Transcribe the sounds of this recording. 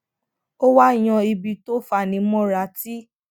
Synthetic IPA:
o˦wa˦˨j̃ɔ̃˧i˧bi˧to˦fa˨nĩ˧˦mɔ̃˦ɾa˨˧˦ti˦

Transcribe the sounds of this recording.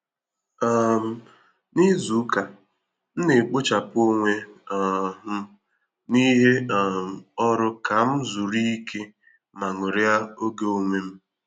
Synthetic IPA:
a˦˨m̩˨ | ni˦zu˨˦ka˨ | n̩˦ne˨k͡pʊ˦t͡ʃa˨po˦ŋʷe˦˨ | ɦ̩˦ | ni˦ɦe˦a˨m̩˨ɔ˦ɾʊ˦ka˨m̩˦zu˨ɾi˦i˦kʰe˦ | ma˨ŋʊ˨ɾɪ˦a˦o˦ɡe˦o˦ŋʷe˦m̩˦

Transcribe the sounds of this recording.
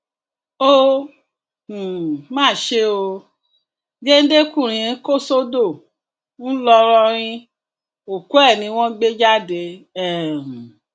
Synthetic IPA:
o˦˨ | mãː˦˨ʃe˧˦o˧ | ɡe˦n̩˦de˦kũ˦˨ɾ̃ĩ˧ɾko˦˨so˦do˦˨ | n̩˦lɔ˧ɾɔ˧ɾ̃ĩ˦ | o˨ku˦ɛ˦˨nĩ˧˦w̃ɔ̃˦ɡ͡be˦d͡ʒa˦de˧˦ɛ˦˨

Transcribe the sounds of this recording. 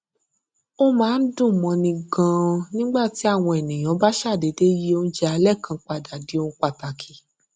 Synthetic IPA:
o˦mãː˨˦n̩˦dũ˦˨mɔ̃˧nĩ˧ɡã˧nĩ˦ɡ͡ba˦˨ti˨˦a˦˨w̃ɔ̃˧e˨nĩ˨j̃ɔ̃˨˦ba˦ʃa˦˨de˨˦de˦ji˦o˦n̩˦d͡ʒɛ˦a˧lɛ˦˨kʰã˧k͡pa˧da˨di˨˦o˧n̩ũ˧k͡pa˧˨ta˨kʰi˨˦

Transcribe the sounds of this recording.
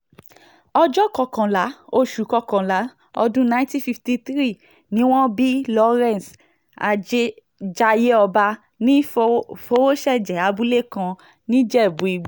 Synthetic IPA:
ɔ˧d͡ʒɔ˦kɔ˧kã˨la˨˦o˧ʃu˨˦kɔ˧kã˨la˨˦ | ɔ˧dũ˦nã˧˦ĩ˦tĩ˦fi˧fti˧t̪ɾi˦˨ | nĩ˦w̃ɔ̃˦bi˦lɔ˧ɾɛ̃˦˨n˨s | a˨d͡ʒe˦ | d͡ʒa˧je˦ɔ˧ba˧ | nĩ˦fo˧˦wo˦ʃɛ˦˨d͡ʒɛ˨˦a˨˧bu˦le˦˨kã˧ | nĩ˦d͡ʒɛ˦i˨bũ˨˦i˧ɡ͡b

